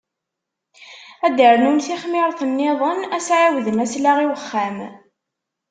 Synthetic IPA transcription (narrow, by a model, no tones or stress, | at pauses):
æd̪əɾnunθiχmɪɾˤθənːɪðˤənæsʕawðəmæslaʁiwəχːæm